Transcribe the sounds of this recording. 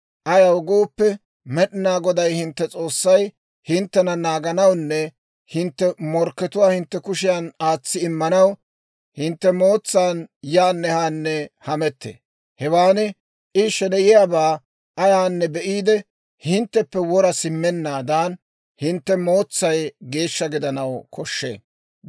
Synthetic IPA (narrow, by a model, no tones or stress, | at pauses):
ʔɐjɐwɡoːpːɛ | mɛɗɪnaːɡɔd̪ɐjhɪnt̪ːɛt͡sʼo̞ːsːɐj | hɪnt̪ːɛnɐnaːɡɐnɐwnːɛ | hɪnt̪ːɛmɔɾkːɛt̪ʊwaːhɪnt̪ːɛkʊʃɪjanaːt͡sːɪɪmːɐnɐw | hɪnt̪ːɛmo̞ːt͡sːaːnjaːnːɛhaːnːɛhɐmɛt̪ːḛː | hɛwaːnɪ | ʔɪʃɛdɛjɪjaːbaː | ʔɐjaːnːɛbɛʔiːd̪ɛ | hɪnt̪ːɛpːɛwɔɾɐsɪmːɛnːaːd̪aːn | hɪnt̪ːɛmo̞ːt͡sːɐjɡe̞ːʃːɐɡɪd̪ɐnɐwkʰɔʃːḛː